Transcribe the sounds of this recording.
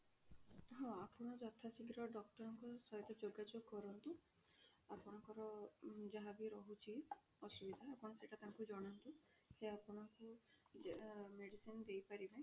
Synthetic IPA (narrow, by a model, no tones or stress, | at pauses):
ɦɔ̃apɔɽ̃ɔd͡ʒɔt̪ʰasiɡɾɔɖɔkʈɔɾɔŋkɔsɔɦit̪ɔd͡ʒoɡːad͡ʒokːɔɾɔnt̪u | apɔɽ̃ɔŋkɔɾɔd͡ʒaɦabiɾɔɦut͡ʃʰi | ɔsubid̪ʱaapɔɽ̃ɔseʈat̪aŋkud͡ʒɔɽ̃ɔnt̪u | seapɔɽ̃ɔŋku | meɽisinɔd̪ejpaɾibaẽ